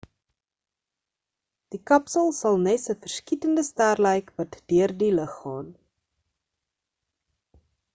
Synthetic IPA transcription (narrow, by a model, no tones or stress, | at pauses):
d̥ikɐpsəlˠsɐlˠnɛsəfərskitəndəstærləjkvɐtd̥yərdiləχːɑːn